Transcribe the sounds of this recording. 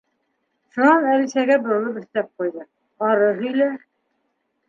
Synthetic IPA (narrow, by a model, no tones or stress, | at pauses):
ʃunɑnælɕæɡʲæbŏɾŏlˠɤpɘ̆ʃt̪æp̚qujd̪ɤ | ɑɾɤɦɵ̆jlæ